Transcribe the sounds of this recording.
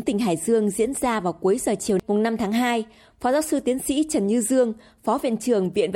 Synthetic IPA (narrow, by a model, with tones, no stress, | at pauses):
ŋt̪ï˨˩ŋ̟ɦaː˧˩jzɨ˧əŋzḭ˧˥ənzaː˧vaː˨˩wku˨˦əjzəː˨˩t͡ɕi˨˩əmʊ˨˩ŋ͡mna˧mt̪ʰaː˨˦ŋɦaː˧j | fɔ˨˦zaː˧˦wsɨ˧t̪i˨˦ənsḭ˧˥t͡ɕə˨˩nɲɨ˧zɨ˧əŋ | fɔ˨˦vḭ˧˨ənt͡ɕɨ˨˩əŋvḭ˧˨ən